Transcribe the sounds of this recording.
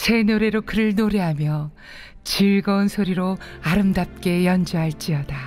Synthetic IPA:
se̞noɾe̞ɾokɯɾɯɭnoɾe̞ɦamjʌ | t͡ɕiɭɡʌunsʰoɾiɾoaɾɯmdap̚k͈e̞jʌnd͡ʑʌɦaɭt͡ɕ͈iʌda

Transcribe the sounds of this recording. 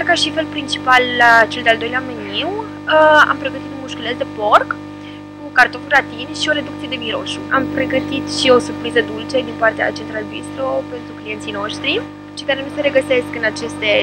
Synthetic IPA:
kaʃife̞lpɾint͡ʃi̥palːat͡ʃe̞ld̪eald̪o̞jleameniw | əa̰mpɾe̞ɡət̪it̪umuʃkulet̪d̪e̞po̞rk | ukart̪onɡɾat̪inʃio̞ɾe̞d̪ukt̪sije̞d̪emiɾo̞̰ʃṵʔampɾe̞ɡət̪it̪ʃio̞surpɾizəd̪ult͡ʃe̞d̪inpart̪ea̰t͡ʃe̞nt̪ɾalbist̪ɾo̞pe̞nt̪ɾuklijnt̪sijno̞ʃt̪ɾi | ʃi̥kaɾe̞nuseɾe̞ɡəse̞skɨnat͡ʃe̞st̪e̞

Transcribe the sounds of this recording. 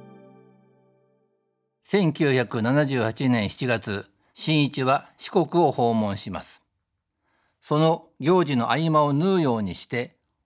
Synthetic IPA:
sẽ̞ŋkʲɨːçakɯ̟nanaʑɨːhat͡ɕinẽ̞ɰ̃çi̥t͡ɕiɡat͡sɨ | ɕĩɰ̃it͡ɕiβaɕi̥ko̞kɯ̟o̞ho̞ːmõ̞ɰ̃ɕima̰sɨ̥ | so̞no̞ɡʲo̞ːd͡ʑino̞ʔaimaonɯːjo̞ːɲ̟iɕi̥t̪e̞

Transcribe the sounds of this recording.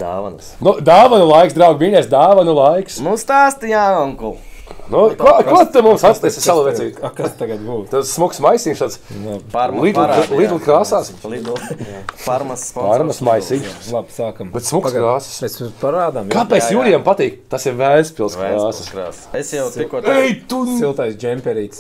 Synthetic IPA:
d̪aʋɐnsnud̪aːʋanulˠajksd̪ɾawɡmiɲʲɛsd̪aːʋanulˠajksnust̪aːst̪jaːɔŋkulˠ | nuakutt̪ːɨmumsat̪st̪ɛsʲsalˠuʋɛiːakast̪aɡɐd̪buːt̪assmuksmajsʲiːmʃt̪at̪spaɾlˠiːd̪llˠiːd̪ulˠkɾaːsaːslˠid̪ˠ | paɾmɐspaɾmasmajsiːʃlˠabsaːkɐmbɛt̪smukskɾaːsɐ̥smɛsjuspaɾaːd̪amkapːɛsjuːɾijampat̪iːkt̪asiɾvæːlʲspʲilˠskɾaːsɐ̥sɾaːesjawt̪ikuɔɛjt̪usilˠt̪ajsd͡ʒɛmʲpʲɛɾiːt̪s

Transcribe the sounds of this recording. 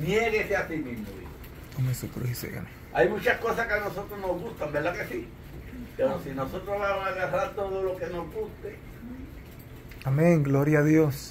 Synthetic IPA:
njeɣeseasimizmoβḭho | omesukɾuhisḛɣa̰ne | ajmũt͡ʃahkosakanosot̪ɾohnoɦɣust̪ambelakesi | peɾosinosot̪ɾoβamosaɣaraɾt̪oðolo̞kenozɣust̪e | amẽŋɡloɾjaːðjos

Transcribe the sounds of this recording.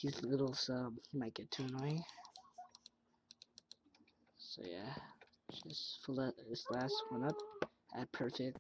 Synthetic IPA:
hizlɪɾl̩ˠsʌ̃jɨmaɪt̚ɡ̥ɛtʰʉnɔɪ | soʊjæ̥ | ʒ̥ʌstfəlˠɛðɪslæst̚wʌ̃nʌp̚ | ɨt̚pʰɜ˞fɪk̚t̚

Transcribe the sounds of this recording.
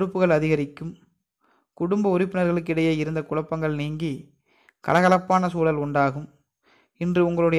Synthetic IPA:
ɾɯpːɯɣɐɭɐðɪɣɐɾɪkːɯm | kʊɽʊmbɐʊɾɪpːɪnɐɾɣɐɭɯk̬ːɪɽɐjeːɪɾɯnd̪ɐkʊɻɐpːɐŋɡɐɭniːŋɡi | kɐ̰lɐɣɐlɐpːaːnɐsuːlɐlʊɳɖaːɣɯm | ɪndrɯʊŋɡɐɭɯɽɐj

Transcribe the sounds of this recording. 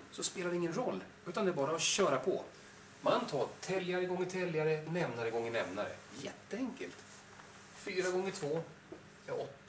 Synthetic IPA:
sɔspeːlad̪ɛɪŋːənɾɔlː | ʉ̟ːt̪and̪ɛːɾbɑːɾaɔɕœːɾapʰɔ̰ | manːt̪ʰɑːt̪ʰɛljaɾəɡɔŋːɪt̪ʰɛljaɾənɛmnaɾəɡɔŋːɪnɛmnaɾə̰jɛt̪ːəɛŋkə̰lt̪ | fyːɾaɡɔŋːət̪ʰvoː | jaɔt̪ː

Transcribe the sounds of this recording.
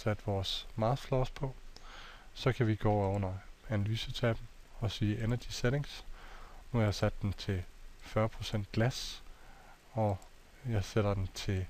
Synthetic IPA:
sæd̥ʋɒːsmɑ̈ːflɒːspʰɒ̽ | sɒ̽kʰæʋiɡ̥ɔ̰ːɒn̰ɐænælyːsət͡sʰɛb̥n̩ɒ̽siːʔenɐd̥ised̥e̝ŋs | nuhɑjɑ̈ɪsæd̥ːent͡sʰe̝lfɶːɐpʰʁo̝sen̰d̥̚ɡ̥læs | ɒ̽ | jɑ̈ɪseɾ̥ɐd̥ent͡sʰe̝

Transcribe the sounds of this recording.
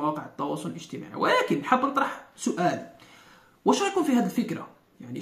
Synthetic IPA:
wɑqəʕət̪ːɑwɑ̰sˤʊləlʔəʒt̪əma̰ʕḭwlækənħəbːnət̪ˤɾɑħsʊʔæːl | wæʃæjakuːnfihæd̪əlfəkɾa̰ | jaʕni

